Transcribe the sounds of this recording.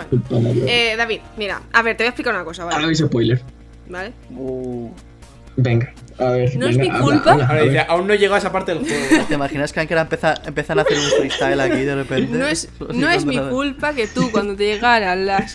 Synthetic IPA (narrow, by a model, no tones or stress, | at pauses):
ekulpanaeðaβiðmiɾa̰aβeɾt̪ejae̥plikaɾunako̞saβalɾaβis̬epojleɾ | baleu | beŋɡa | aβeɾnoezŋɡiakulaaɾaðieaʔaunːoʝeɣoesapaɾt̪eelut̪imaxinaskeaŋkeɾampeθaempeθanaθeɾunt̪ɾist̪aelakiðerepent̪eoessnoezmiðulpaket̪ukwand̪ot̪eʝeɣaɾalas